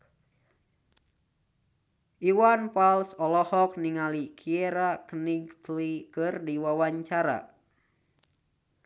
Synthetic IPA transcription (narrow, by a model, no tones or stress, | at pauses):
ʔiwanpalsɔlɔhɔk̚niŋalikʰieɾakəniɡt̪likɨrdiwawaɲt͡ʃaɾa̰